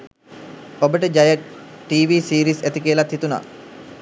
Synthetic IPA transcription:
obəʈəd͡ʒajəʈʈiːʋiːsiːɾisæt̪ikejəlat̪ːit̪una̰ː

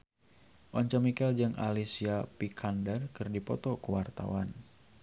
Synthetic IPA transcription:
ʔɔɲt͡ʃɔmikɛld͡ʒɨŋa̰lisiapikʰandərkɨrdipɔt̪ɔkuwart̪a̰wan

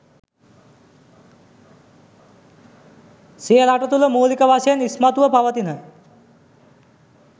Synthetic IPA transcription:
sejəlaʈət̪uləmoːlikəʋaːsejanismat̪uʋəpaʋət̪inə

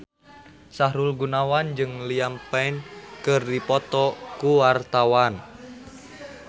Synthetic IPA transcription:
sahɾulɡunawand͡ʒɨŋliampajnkərdipɔt̪ɔkuwart̪awan

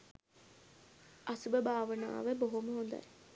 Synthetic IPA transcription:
ʔɐsubɐbaːʋɐna̰ːʋeboɦoməɦond̪ɐ̰e

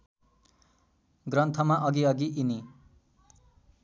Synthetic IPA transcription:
ɡrʌnt̪ʰʌmaʔʌɡiʌɡiʔini

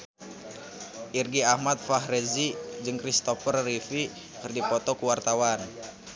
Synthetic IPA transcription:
ʔirɡiahmat̪̚faɦrɛzid͡ʒɨŋkɾist̪ɔfərːifi | kɨrdipɔt̪ɔkuwart̪awan

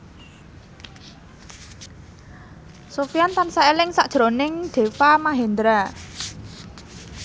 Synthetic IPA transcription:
sofijant̪ansaelɪŋsaʔd̥ʒ̥ɾonɪŋd̪̥e̤famaɦend̪ɾa

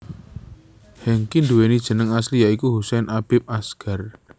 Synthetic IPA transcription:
hɛŋkinduwenid̥ʒ̥ə̤nəŋaslijaikuɦusɛnʔab̥ɪp̚asɡ̥ar

